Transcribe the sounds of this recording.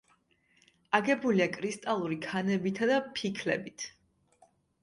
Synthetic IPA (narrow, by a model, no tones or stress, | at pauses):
aɡɛbuliakʼɾist̪ʼalˠuɾikʰanɛbit̪ʰad̪apʰikʰlɛ̰bit̪ʰ